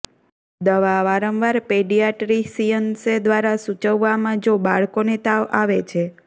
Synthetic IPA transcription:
d̪əʋaʋaɾəmʋaɾpeɖijaʈɾisijənsed̪ʋaɾasut͡ʃəʋːamãd͡ʒobaɭkonet̪aʋaʋet͡ʃʰe

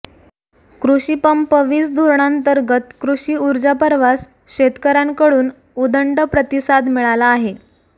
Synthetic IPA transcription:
kɾuɕipəmpəʋiːsd̪ʱoɾɳ̃ant̪əɾɡət̪kɾuɕiːuɾd͡ʑapəɾʋas | ɕet̪kəɾaŋkəɽuːn | ud̪əɳɖəpɾət̪isad̪miɭalaːɦe

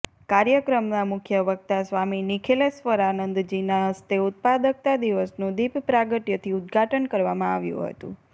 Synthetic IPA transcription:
kaɾjəkɾəmnamʊkʰjəʋək̚t̪asʋaminikʰelesʋəɾanənd̪d͡ʒinaɦəst̪eʊt̪̚pad̪ək̚t̪ad̪iʋəsnũd̪ippɾaɡəʈ̪jət̪ʰiud̪ɡʱaʈənkəɾʋamãaʋjṵ̃ɦə̰t̪ṵ̃

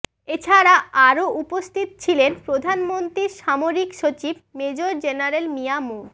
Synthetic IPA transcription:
et͡ɕʰaɾaaɾoʔupost̪ʰit̪̚t͡ɕʰilenpɾod̪ʱanmont̪ɾiɾʃamoɾikʃot͡ɕibmed͡ʑoɾd͡ʑenaɾelmiamu

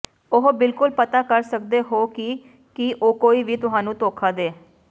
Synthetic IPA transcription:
ʊɦbɪlkʊlpət̪aːkəɾsək̚d̪eːɦoːkiː | kɪʔoːkoːiːʋiːt̪ʊɦãːnũːt̪oːkʰaːd̪eː

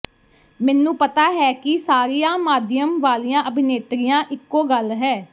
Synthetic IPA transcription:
mɛːnũːpət̪aːɦɛːkɪsaːɾijãːmaːd̪ɪjəmʋaːlijãːʔəbʱɪneːt̪ɾɪjãːʔɪkːoːɡəlɦɛː

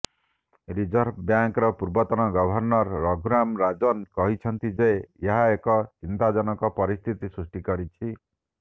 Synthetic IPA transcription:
ɾid͡ʒɔɾbʰbjaŋkɾɔpuɾbɔt̪ɔnɔɡɔbʱɔɾnɔɾːɔɡʱuɾamɾad͡ʒɔnkɔɦit͡ʃʰɔnt̪id͡ʒeeeɦaekɔt͡ʃint̪ad͡ʒɔnɔkɔpɔɾist̪ʰit̪isɾusʈikɔɾit͡ʃʰi

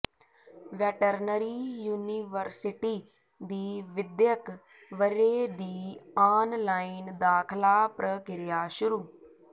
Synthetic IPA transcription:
ʋɛːʈəɾnəɾiːjuːniːʋəɾsɪʈiː | d̪iːʋɪd̪jək | ʋəɾeːd̪iːaːnlaːiːnd̪aːkʰlaːpɾəkɪɾɪjaːʃʊɾuː

